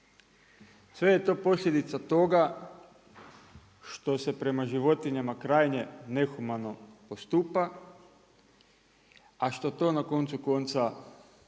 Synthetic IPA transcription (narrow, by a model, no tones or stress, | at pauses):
sʋe̞jet̪o̞ːpo̞slʎʲje̞d̪it̪sat̪o̞ɡa | ʃt̪o̞se̞pɾe̞maʒiʋo̞t̪iɲamakɾaːjɲe̞ne̞xumano̞post̪uːpa | aʃt̪o̞t̪o̞ːnako̞nt̪suko̞nt̪sa